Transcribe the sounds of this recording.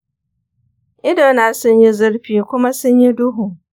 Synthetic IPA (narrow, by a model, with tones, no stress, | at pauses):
ɪ˦do˦na˨˦˨sɪ̃˦n˦ɪ˦zɪ˦ɾɸi˨kʷʊ˦ma˦sɪ̃˦ɲjɪ˦dʊ˦ɦʊ̃˨